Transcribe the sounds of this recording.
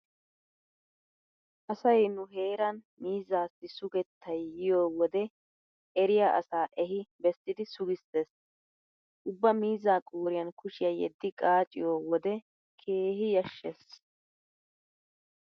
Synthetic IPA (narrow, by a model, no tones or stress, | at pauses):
ʔɐsɐjnʊɦe̞ːɾɐn | miːzːaːsːɪsʊɡɛt̪ʰːɐjːɪjoːwɔd̪ɛ | ɛɾɪjaʔɐ̰saːʔɛɦɪbɛsːɪd̪ɪsʊɡɪsːeːs | ʔʊbːɐmiːzːaːkʼoːɾɪjɐnkʊʃɪjɐjɛ̰d̪ːɪkʼaːt͡ʃʼɪ̰joːwɔd̪ɛ | kʰe̞ːɦɪjɐʃːɛs